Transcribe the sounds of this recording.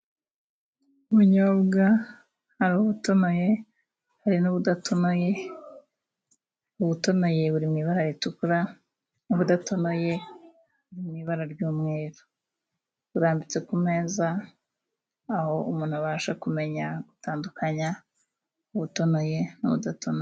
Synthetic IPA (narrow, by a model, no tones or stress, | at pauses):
umuɲoːβɡa | haɾuːβuto̞no̞je̞ | haɾinuβudatʰonoje | uβuto̞no̞je̞βuɾimiβaɾajetukuɾa | nuβudato̞no̞je̞ | βuɾimiβaɾaɾɟuːmŋe̞ːɾo | βuɾaːmbit͡se̞kume̞ːza | ho̞umuːn̥huβaːʃakume̞ɲaɡ̥utaːndukʰaɲa | uβuto̞no̞je̞nuβṵdatʰono